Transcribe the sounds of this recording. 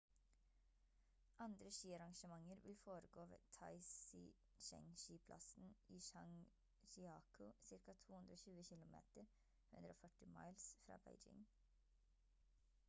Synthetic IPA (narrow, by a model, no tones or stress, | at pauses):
ʔɑnd̪ɾəʃiːɑɾɑŋʃəmɑŋəɾʋɪlfoːɾəɡoːʋḛːt̪ʰɑɪsɪ | ʃɛ̰ŋʃiːpʰlʔɑ̰sn̩ʔiːʃɑŋ | ʃɪɑːkʰʊsɪɾkɑt̪ʰuːhʉnd̪ɾoːçʉːəçɪlʊmḛːt̪əɾ | hʉ̰nd̪ɾəo̰ːfœʈɪmɑ̰ɪlsfɾɑ̰ːbæ̰ɪd͡ʒɪ̰ŋ